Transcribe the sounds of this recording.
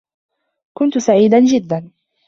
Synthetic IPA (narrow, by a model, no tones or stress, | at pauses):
kʊnt̪saʕiːd̪and͡ʒɪd̪ːan